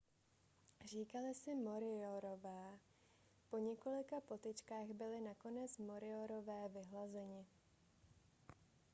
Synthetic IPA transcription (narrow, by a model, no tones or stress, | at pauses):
r̝iːkalɪsɪmo̞ɾɪoɾovɛː | po̞ɲɛko̞lɪkapo̞t̪ɪt͡ʃkaːɣbɪlɪnako̞nɛt͡smo̞ɾɪoɾo̞vɛːvɪɦlazɛɲɪ